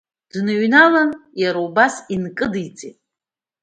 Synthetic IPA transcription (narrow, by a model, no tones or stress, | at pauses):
d̥nɨɥnalanjaɾaubasinkʼɨdɨt͡sʼitʼ